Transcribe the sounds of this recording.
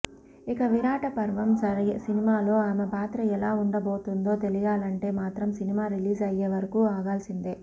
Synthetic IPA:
ikɐʋiɾaːʈɐpɐɾʋɐmsɐɾɐsinimaːlo̞ːaːmepaːt̪ɾɐɛlaːuɳɖɐbo̞ːt̪und̪o̞ːt̪e̞lijaːlɐɳʈe̞ːmaːt̪ɾɐmsinimaːɾiliːzɐjːeːʋɐɾɐkuːaːɡaːlsind̪eː

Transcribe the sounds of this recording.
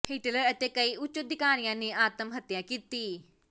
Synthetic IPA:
hiːʈələɾət̪eːkəiːʊt͡ʃːəd̪ɪkaːñɪjãːneːʔaːt̪əmɦət̪ːjãːkiːt̪iː

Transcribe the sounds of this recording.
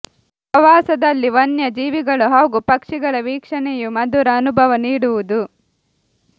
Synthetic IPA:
ɐʋaːsɐd̪ɐlːiʋɐnjɐd͡ʒiːʋiɡɐɭuɦaːɡupɐkʂiɡɐɭɐʋiːkʂɐnɛjumɐd̪uɾɐːnubʱɐʋɐniːɽuʋud̪u

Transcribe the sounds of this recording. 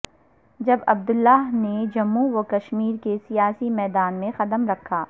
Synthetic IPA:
d͡ʒɐbɐb̚d̪ʊlːaːɦned͡ʒɐmːuʋokɐʃmiːɾkesijaːsimɛːd̪aːnmẽxɐd̪əmɾɐkʰːaː

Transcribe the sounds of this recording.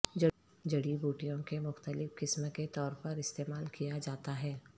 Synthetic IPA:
d͡ʒɐ | d͡ʒɐɽibuːʈijõkemʊxt̪əlɪfkɪsməket̪ɔːɾpɐɾɪst̪eːmaːlkijad͡ʒaːt̪aɦɛː

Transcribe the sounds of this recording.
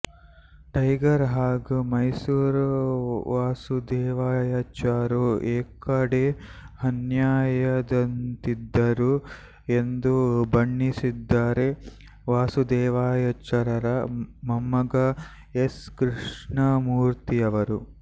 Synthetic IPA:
ʈɐjɡɐɾɦaːɡumɐjsuːɾ | ʋaːsud̪ɛːʋaːjɐt͡ʃaːɾueːkɐɽehɐnjaːjɐd̪ɐnt̪id̪ːɐɾu | end̪ubɐɳːisid̪ːaːɾe | ʋaːsud̪ɛːʋaːjɐt͡ʃɐɾɐɾɐmɐmːɐɡɐ | eskɾiʂɳɐmuːɾt̪ijɐʋɐɾu

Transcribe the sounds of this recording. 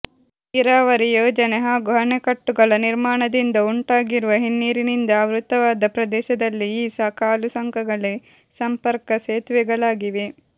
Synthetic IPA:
iɾaːʋɐɾijoːd͡ʒɐneɦaːɡɔɦɐɳekɐʈːuɡɐɭɐniɾmaːɳɐd̪ind̪ɐuɳʈaːɡiɾuʋɐɦinːiːɾinind̪ɐːʋɾut̪ːɐʋaːd̪ɐpɾɐd̪ɛːʃɐd̪ɐlːiiːsɐkaːlusɐŋkʰɐɡɐɭe | sɐmpɐɾkɐseːt̪ʋɛɡɐɭaːɡiʋe

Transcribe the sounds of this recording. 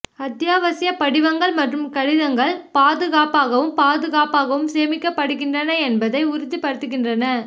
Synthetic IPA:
ɐt̪jaːʋɐsɪjɐpɐɽɪʋɐŋɡɐɭmɐʈrɯmkɐɻɪðɐŋɡɐɭpaːðɯɣaːpaːɣɐʋɯmpaːðɯɣaːpaːɣɐʋɯmseːmɪkːɐpːɐɽɯɣɪndrɐnɐɛnbɐðɐɪʊɾʊðipɐɽɯt̪ːɯɣɪndrɐnɐ

